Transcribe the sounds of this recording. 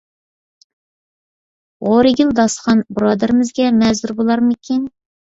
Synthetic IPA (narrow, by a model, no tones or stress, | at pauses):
ʁoɾɪɡʲild̪ɑsqɑnbɾɑːd̪ɪɾɪmɪzɡʲɛmɛzd̪uɾbolˠɑɾmɨkʲin